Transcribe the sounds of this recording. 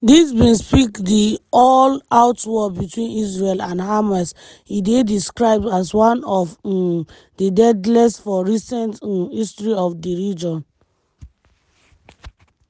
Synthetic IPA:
disbĩnspikdiɔlaʊtwɔbitwĩnis̬ɹelãnɦamas | idediskɹaɪb̚daswãnɔf | didɛdlɛsfɔɹisɛ̃ntistɹiɔfdiɹid͡ʒɔ̃n

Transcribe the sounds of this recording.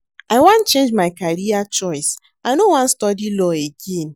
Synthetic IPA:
aɪwãnt͡ʃẽnd͡ʒmaɪkaɾiat͡ʃɔɪs | aɪnowãn̩stɔdilɔeɡen

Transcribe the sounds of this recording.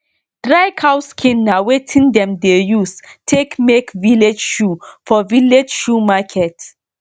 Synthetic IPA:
d̥ɹajkʰawskʰĩnːawetʰĩndɛ̃mdejustʰekmekviled͡ʒʃufɔviled͡ʒʃumakʰɛt

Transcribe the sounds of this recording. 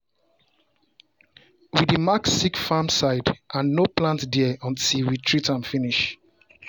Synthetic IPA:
widimaksikfamsaɪdʔãnːoplãntdɛɔ̃ntilwitʰɹitãnfiniʃ

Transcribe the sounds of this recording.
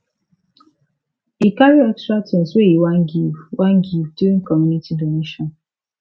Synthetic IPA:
ikaɾiɔkstɾatɔ̃n̩swejiwaŋɡiwaŋɡivduɾikɔmjunitidoneʃɔn

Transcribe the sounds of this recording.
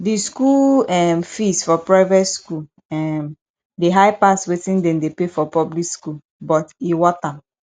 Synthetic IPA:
diskulɛmfisfɔpɹaɪvɛtskul | ɛm | deɦaɪpastwetĩndɛ̃mdepefɔpɔblikskul | bɔtiwɔtãm

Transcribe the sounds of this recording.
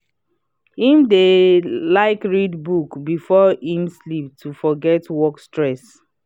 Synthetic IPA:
hĩmdelaɪkɹidbukbifɔhĩmslip̚tʰufɔɡɛtwɔkstɹɛs

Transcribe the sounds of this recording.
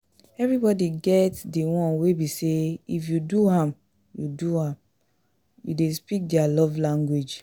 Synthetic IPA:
ɛvɹibɔdiɡɛtdiwɔ̃nwebiseifjuduãm | juduhãm | jṵdespik̚dialɔvlãŋɡwed͡ʒ

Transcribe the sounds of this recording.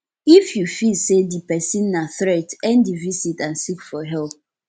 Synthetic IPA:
ifjufilsedipɛsĩnːaθɾɛtɛ̃ndivisitãnsikfɔɦɛlp̚

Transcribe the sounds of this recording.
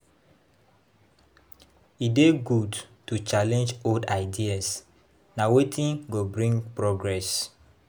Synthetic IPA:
ideɡudtut͡ʃalɛ̃nd͡ʒodaɪdias | nawetʰĩnɡobɹĩŋɡpɹɔɡɹɛs

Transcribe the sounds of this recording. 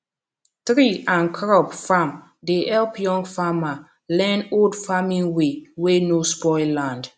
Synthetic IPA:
t̪ɾiãnkʰɾɔbfam | deʔɛlpʰjɔ̃ŋɡfama | lɛ̃noldfamĩnwewenospɔɪllãnd

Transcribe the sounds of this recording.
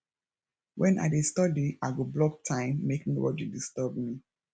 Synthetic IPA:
wʔɛ̃nʔa̰estɔdiaɪɡoblɔk̚tʰãɪ̃mːekŋno̰wɔ̰tjudistɔbmi

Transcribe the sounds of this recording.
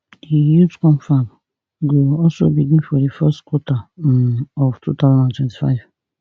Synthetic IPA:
dijutkɔ̃mfan | ɡoɔlsobidĩfɔdifɛstkʰwɔtʰa | ɔvtʰṵt̪ʰazãndãntʰwɛ̃ntʰi̥fa̰ɪv̥

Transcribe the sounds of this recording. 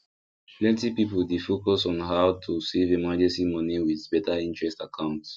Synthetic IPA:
plɛ̃ntipipoldefokɔsɔ̃nɦawtʰusɛvemad͡ʒɛ̃nsimɔniwiðbɛtaĩntɹɛstakʰãʊ̃nts

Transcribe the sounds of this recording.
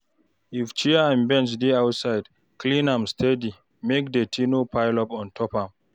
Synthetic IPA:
ift͡ʃiaãnbɛ̃nt͡ʃdeawtsaɪd | klĩnãmstʰɛdi | mekdetʰinopʰaɪlɔpɔ̃ntʰɔpãm

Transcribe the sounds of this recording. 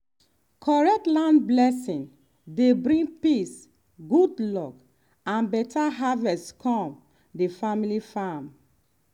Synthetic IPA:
kʰɔɹɛk̚tlãnblɛsĩn | debɹĩŋpis | ɡudlɔk | ãnbɛtʰaɦavɛstkʰɔ̃m | defamilifam

